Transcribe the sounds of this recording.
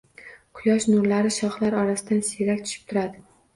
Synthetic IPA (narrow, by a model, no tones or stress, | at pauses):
qʰʊjɒʃnʊɾlaɾɪʃɒχlaɾɒɾasɪd̪anseɾakʲt̪ʰʊ̥ʃɪ̥p̚t̪ʰʊɾad̪ɪ